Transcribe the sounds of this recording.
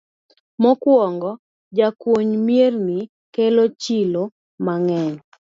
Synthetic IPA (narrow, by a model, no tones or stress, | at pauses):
mɔkwɔŋɡɔ | d͡ʒakwoɲmjerni | kelot͡ʃilo | maŋɛɲ